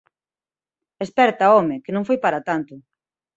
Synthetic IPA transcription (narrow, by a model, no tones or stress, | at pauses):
espɛɾt̪aɔmɪkɪnõŋfojpaɾat̪ant̪ʊ